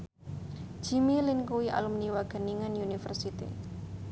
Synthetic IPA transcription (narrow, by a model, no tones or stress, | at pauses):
ʒ̥i̤milɪnkuwiʔa̰lumniwaɡ̥ə̤niŋanjunifə̰rsit̪ḭ